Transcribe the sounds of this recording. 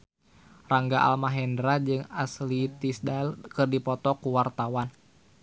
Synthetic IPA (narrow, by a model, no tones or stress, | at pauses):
raŋɡaʔa̰lmaɦɛndɾad͡ʒɨŋaslit̪isdalkɨrdipɔt̪ɔkuwart̪awan